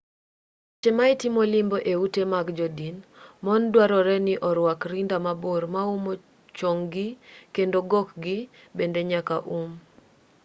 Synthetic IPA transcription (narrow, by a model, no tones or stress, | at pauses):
t͡ʃemaɪtimolɪmboʔeutemaɡd͡ʒodinmɔndwaɾɔɾɛnɪʔɔɾwakɾindamaboɾmaumo | t͡ʃoŋɡɪkendoɡɔkɡɪ | bendeɲakaʔum